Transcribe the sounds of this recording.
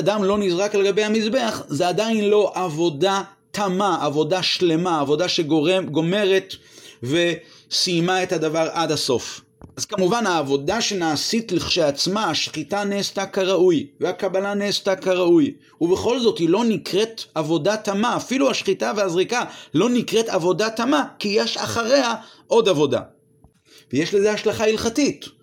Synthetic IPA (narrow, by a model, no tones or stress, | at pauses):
damlo̞nizʁakle̞ɡabe̞jhamizbe̞aχzeadajnlo̞ʔavo̞da | tamaavo̞daʃle̞maːvo̞daʃeɡo̞me̞ʁe̞tve̞simae̞thadavaʁʔadhaso̞f | azkamuvanaːvo̞daʃe̞naːsitliχʃejat͡smaaʃχitaneːstakaʁaujveakabalaneːstakaʁauj | ubeχo̞lzo̞thilo̞nikʁetavo̞datamaːfiluhaʃχitaveazʁikalo̞nikʁetavo̞datamakijeʃa̰χaʁe̞haʔo̞davo̞da̰ | vejeʃlezehaʃlaχailχatit